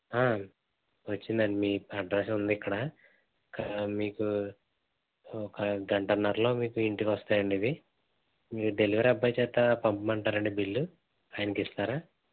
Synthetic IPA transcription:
aː | ʋɐt͡ʃːind̪aɳimiːɐɖɾasund̪iikːɐɽa | kamiːku | ɔkɐɡɐɳʈɐɾnːɐɾlo̞ːmiːkuiɳʈikʋɐst̪aːjɐɳɖiʋi | miːkud̪e̞liʋɐɾɐbːɐjt͡ʃɛːt̪ːapɐmpɐmɐɳʈaːɾɐɳɖibilːu | aːjɐnɐkist̪aːɾaː

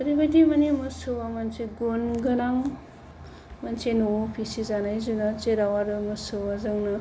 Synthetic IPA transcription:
ɐɾibɐjdimɐnimɐsowamɐnseɡonɡɐnaŋ | mɐnsenopʰisizanajzunat͡ʃeɾawaɾɯmɐsowazɐŋnɯ

